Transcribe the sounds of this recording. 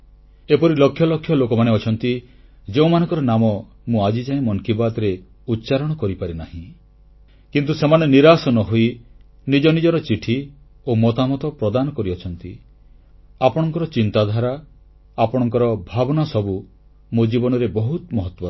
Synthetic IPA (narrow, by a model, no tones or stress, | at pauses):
epɔɾilɔkʰːjɔlɔkʰːjɔlokɔmaneɔt͡ʃʰɔnt̪i | d͡ʒeũmanɔ̃ŋkɔɾɔnamɔ | mũad͡ʒid͡ʒaẽmɔnkibad̪ɾe | ut̪ːʃaɾɔɽ̃ɔkɔɾipaɾinaɦĩ | kint̪usemaneniɾasɔnɔɦoi | nid͡ʒɔnid͡ʒɔɾɔt͡ʃiʈʰi | omɔt̪amɔt̪ɔpɾɔd̪anɔkɔɾiɔt͡ʃʰɔnt̪i | apɔɽ̃ɔŋkɔɾɔt͡ʃint̪ad̪ʱaɾaː | pɔɽ̃ɔŋkɔɾɔbʱabɔnasɔbu | mod͡ʒibɔnɔɾebɔɦut̪mɔɦɔt̪ːwɔ